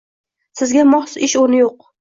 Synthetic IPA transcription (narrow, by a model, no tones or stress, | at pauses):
sɪzɡʲamɒχsɪʃonɪjoq̚